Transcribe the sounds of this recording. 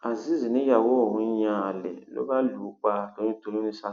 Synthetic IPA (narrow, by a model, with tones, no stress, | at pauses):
a˨zi˦zi˨nĩ˦ja˨wo˦˨hũ˦ɲã˦a˨lɛ̰˨lo̰˦ba˦luː˨˦k͡pa˦do˦ɲĩ˦to˦lũ˦ni˦sa˦